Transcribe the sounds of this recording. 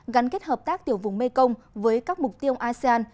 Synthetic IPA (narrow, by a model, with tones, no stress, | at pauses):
ɣa˨˦ŋ̟ke˦˥t̚həː˨˩p̚t̪aː˦˥k̚t̪i˨˧˩əwvʊ̰˨˩ŋ͡mme˧kə˧wŋ͡m | vəː˨˦jkaː˦˥k̚mʊ˨˩k͡p̚t̪i˧əwʔaː˧se˧aː˧n